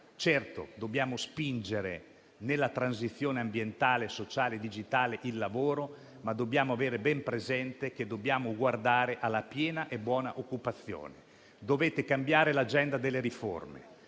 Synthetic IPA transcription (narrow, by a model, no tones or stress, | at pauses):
t͡ʃɛrt̪o̰d̪objaːmospind͡ʒeɾḛ | nelːat̪ɾanzit̪sːjoːneambjent̪aːlesot͡ʃaːled̪id͡ʒit̪aːleʔilːavoːɾo | mad̪ːobjaːmoaveːɾebɛmpɾezɛnt̪ek̟ed̪objaːmoɡward̪aːɾeʔalːapjɛːnaʔebwɔːna̰ʔokːupat̪sːjo̰ːne | d̪oveːt̪ekambjaːɾelad͡ʒɛnd̪ad̪elːeɾifo̰rmḛ